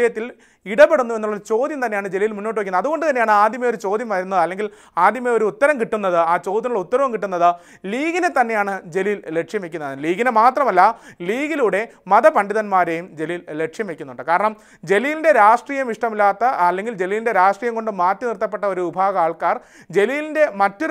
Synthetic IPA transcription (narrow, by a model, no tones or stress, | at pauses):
ɐjɐt̪ːil | iɽɐpeɽunːuenːuɭːɐt͡ɕo̞ːd̪jɐmt̪ɐnːejaːɳɨd͡ʑe̞lijilmunːo̞ːʈːɨɐkːunːɐðuɣo̞ɳɖɨt̪ɐnːejaːɳɨaːd̪ʱjɐmɐjo̞ɾut͡ɕo̞ːd̪ʱjɐmʋɐɾunːɐðɨɐlːe̞ŋɡil | aːd̪ʱjɐmeo̞ɾuːt̪ːɐɾɐmkiʈːunːɐðɨaːt͡ɕo̞ːd̪ʱjɐnuɭɐut̪ːɐɾɐʋɐmkiʈːunːɐðɨ | liːɣinet̪ːɐnːe̞jaːɳɨd͡ʑe̞lilːe̞kʂjɐmekʲːunːɐliːɡinemaːt̪rɐmɐlːɐliːɣiluːɽe̞mɐðɐpɐɳɖiðɐnmaːɾejumd͡ʑe̞liːlːe̞kʂjɐmekʲːunːuɳɖɨkaːɾɐɳɐm | d͡ʑe̞lijilinde̞ɾaːʂʈriːjɐmiʂʈɐmilːaːt̪ːɐːlːe̞ŋɡild͡ʑe̞liːlinde̞ɾaːʂʈriːjɐmko̞ɳɖɨmaːtːinirt̪ːɐpːe̞ʈːɐo̞ɾuʋibʱaːɣɐaːɭkaːr | d͡ʑe̞liːlinde̞mɐtːo̞ɾ